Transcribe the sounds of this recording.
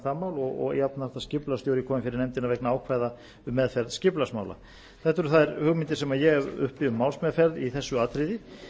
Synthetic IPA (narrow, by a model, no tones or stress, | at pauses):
θamːaːwlɔɣɔ̰ɣ̰jat̪̚nar̥t̪ascɪplast̪jowɾɪkʰɔːmɪnfɪɾɪɾnɛmt̪ɪnaɾvɛknaaːwkʰvaːjða | ʏmːɛðfɛɾðscɪplasma̰ːwla̰ | θɛht̪ʏɾʏθaðɛɾhʏɣmɪnt̪ɪsɛmajɛʏ̰hpɪʏmːawlsmɛðfɛɾðiθɛsːʏaːt̪ɾɪðɪ